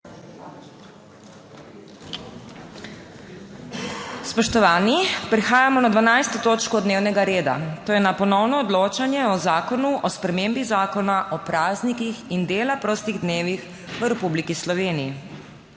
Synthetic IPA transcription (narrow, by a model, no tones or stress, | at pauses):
spɔʃt̪ɔʋaːnipɾixaːjamɔnad̪ʋanajst̪ot̪oːt͡ʃkɔd̪neːwnɛɡaɾeːd̪a̰t̪oːjɛnapɔnɔwnɔːd̪loːt͡ʃanjɛɔzaːkɔnuʔɔspɾɛmembizaːkɔnaʔɔpɾaːznikixind̪eːlapɾoːst̪iɣd̪neːʋix | ʋəɾɛpublikislɔʋeːniji